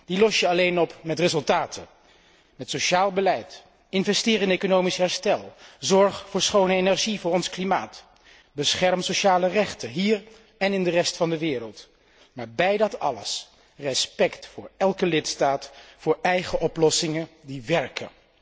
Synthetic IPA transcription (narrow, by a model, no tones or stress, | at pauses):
d̥ilɔsjəɑlejnɔpmɛtrezɵlˠtaːtʰə | mɛtsoʃaːlˠbəlɛjt | ɪnvɛstɪːɾɪnejkonowmisɦɛɹstɛlˠzɔɹχfʊːɹsχownəenɛɹʒivʊːɹɔnsklimaːt | bəsχɛɹmsoʃaːlərɛχtənɦiːɹ | ɛnɪndərɛstfɑndəʋɪːɾəlˠt | maːɹbɛjdɑtɑ̰ləs | rɛspɛktfʊːɹɛlˠkəlɪtstaːtfʊːɹɛjχəʔɔplɔsɪŋədiʋɛɹkə